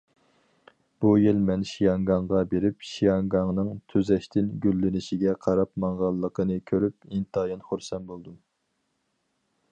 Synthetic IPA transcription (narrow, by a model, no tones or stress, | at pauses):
b̥ujilmɛnʃijɑŋɡɑŋʁɑbeɾɪp̚ʃijɑŋɡɑŋnɨŋt̪ʰøzɛʃt̪ʰɪnɡʲylːɪnɪʃɪɡʲɛqʰɑɾɑpmɑŋʁɑlˠːəqʰənɨkʲʰøɾyp̚int̪ʰɑːjɑnχoɾsɛnbolˠd̪um